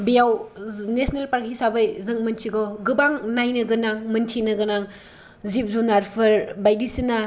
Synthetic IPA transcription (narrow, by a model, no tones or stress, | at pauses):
bijawnesnelpaɾkʰisabɯjzɯŋmɐntʰiɡɔɡɯbaŋnajnɯɡɯnaŋmɯntʰinɯɡɯnaŋ | zip̚zunaɾpʰɯɾbajdisina